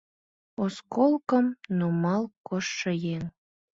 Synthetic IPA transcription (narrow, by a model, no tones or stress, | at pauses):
oskolˠkə̆mnomɑlˠkoʃːə̆jen